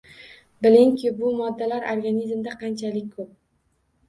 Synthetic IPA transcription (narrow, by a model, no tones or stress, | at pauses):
bɪlɪŋkʰʲɪbʊmɒd̪ːalaɾʔoɾɡanizmd̪aqʰɑnt͡ʃʰalɪk̚ʲkʰɵp̚